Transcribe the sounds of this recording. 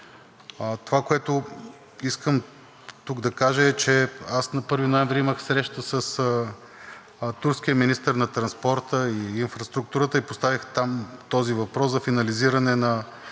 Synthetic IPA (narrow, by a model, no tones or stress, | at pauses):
t̪ovakoɛt̪ʊ | iskəm | t̪uɡd̪ɐkaʒəɛt͡ʃɛasnɐpɤɾvinoɛmvɾiiməxsɾɛʃt̪əsəs | t̪uɾskiəminist̪əɾnɐt̪ɾɐnspɔɾt̪əiːnfɾɐst̪ɾuk̚t̪uɾət̪əipost̪avixt̪amt̪ɔzivɐpɾɔszɐfinɐliziɾɐnɛnɐ